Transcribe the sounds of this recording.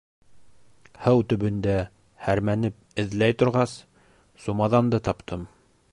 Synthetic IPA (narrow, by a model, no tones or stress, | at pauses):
hɤwt̪ɵ̆βɵ̆nd̪æ | hæɾmænɘp̚ɘ̆ðlæjt̪ŏɾʁɑs | sumɑðɑnd̪ɤt̪ɑpt̪ʰɤm